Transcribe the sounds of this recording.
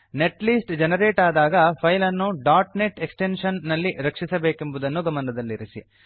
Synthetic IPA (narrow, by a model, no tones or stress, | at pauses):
ne̞ʈliːsʈd͡ʒenɐɾeːʈaːd̪aːɡɐpʰɐjlɐnːuɖaːɾʈneʈeksʈenʂɐnːɐlːiɾɐkʂisɐbeːkembud̪ɐnːuɡɐmɐnɐd̪ɐlːiɾisḭ